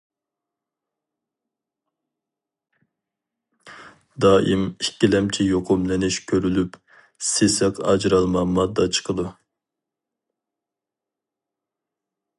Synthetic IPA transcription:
d̪ɑːʔimikʲːilɛmt͡ʃʰijoqʰʊmlɪnɪʃkʲʰøɾylyp | sesɛqʰɑ̰d͡ʒɾɑlˠmɑmɑd̪ːɑt͡ʃʰə̥qʰəd̪u

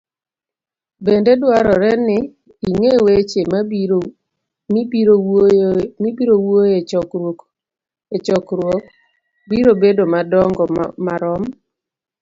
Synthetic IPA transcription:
bendedwaɾɔɾɛnɪ | iŋewet͡ʃema | miɾo | mibiɾowojeɔk | et͡ʃɔkɾwok̚ | biɾobedomadɔŋɡɔmaɾɔm

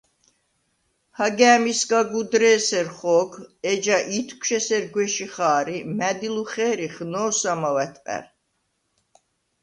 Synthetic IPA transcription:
haɡɛːmisɡaɡud̪ɾɛːsɛɾχɔːɡʰɛd͡ʒaʔit̪ʰkʰʷʃɛsɛɾɡwɛʃiχaːɾimæd̪iluχɛːɾiχnɔːsamawɛt̪ʰʼqʼɛ̰ɾ

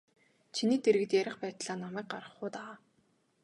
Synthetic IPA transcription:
t͡ɕʰiniːt̪eɾɘ̆ɣɘ̆t̪jæɾʲɪ̆χpæːt̪ɮaːnɔmæːk̚ɢaɾə̆χʊːt̪aaː

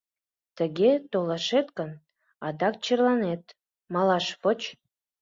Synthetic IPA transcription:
t̪əɣet̪olɑʃet̪kən | ɑd̪ɑk̚t͡ɕərlɑnet̪ | mɑlɑʃpot͡ɕ

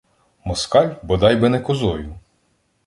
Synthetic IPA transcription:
mɔskɑlʲbɔd̪ɑjbɪnɛkɔzɔjʊ

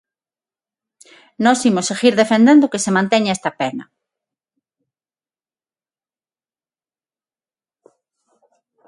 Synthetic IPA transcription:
nɔsimoseɣiɾðefend̪ẽnd̪okesemãnt̪eɲaɛst̪ɐpenɐ

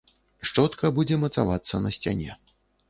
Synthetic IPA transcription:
ʂt͡ʂɔt̪kɐbud͡zʲɛmɐt̪savat̪sːɐnɐsʲt͡sʲa̰nʲɛ̰

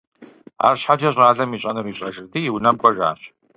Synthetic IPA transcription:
a̰ːrɕħad͡ʒɐɕʼraːɮɐmiːɕʼɐnɨriːɕʼɐʒɨrdiːjwnɐmkʷʼɔʒa̰ːɕ

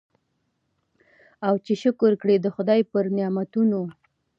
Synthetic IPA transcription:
awt͡ʃeʃʊkʊɾkɽed̪əxʊd̪ɑjpəɾnɪjɑmat̪uno

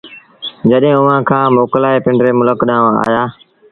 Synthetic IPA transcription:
d͡ʒəɗɦẽːʊʋ̤ãːkʰãːmoːklaːepɪ̃ɳɖɾeːmʊləkɗãːa̰ːjaː

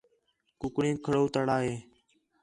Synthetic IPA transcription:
kʊkɳĩːkʰəɽoːt̪əɽaːɦeː

